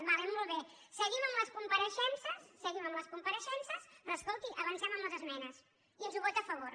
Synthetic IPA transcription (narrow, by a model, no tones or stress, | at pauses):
baβɛmːɔlˠβe | səɣiməmləskumpəɾəʃɛnsəsːəɣiməmləskumpəɾəʃɛnsəspɾoːskolˠt̪iʔəβənsɛməmləzəzmɛnəs | iənzuβɔt̪əfəβor